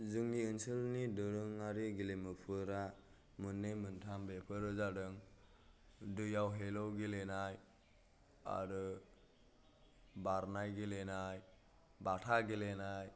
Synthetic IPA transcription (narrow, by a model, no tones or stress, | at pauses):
zɯŋiɯnsɯlnidɯɾɯŋaɾiɡilemɯpʰɯɾa | mɯnːɯjmɯntʰambepʰɯɾɯzadɯŋ | dɯjawɦelɔwɡilenaj | a̰ɾɯ | baɾnajɡilenaj | batʰaɡelenaj